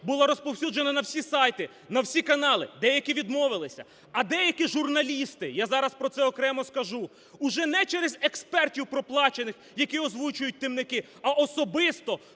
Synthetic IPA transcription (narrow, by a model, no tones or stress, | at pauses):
bʊlˠaɾɔspɔwsʲud͡ʒenɐnɐwsʲisɑjt̪ɪ | nɐwsʲikɐnɑlˠɪd̪ɛjɐkʲiʋʲid̪mɔʋɪlˠɪsʲɐ̰ | ɐd̪ɛjɐkʲiʒurnɐlʲist̪ɪjazɑɾɐspɾɔt̪sɛɔkɾɛmɔskɐʒu | ʊʒɛnɛt͡ʃɛɾezʲekspɛrtʲiwpɾɔplˠɑt͡ʃenɪx | jɐkʲiɔzʋut͡ʃʊjʊt̚ʲt̪ɪmnɪkɪ | ɐʔɔsɔbɪst̪ɔ